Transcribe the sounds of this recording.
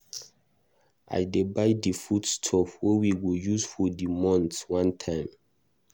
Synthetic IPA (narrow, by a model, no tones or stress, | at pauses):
a̰jdebaɪdifudstʰɔfwewiɡojuzfɔdimɔ̃ntwãntʰãɪ̃m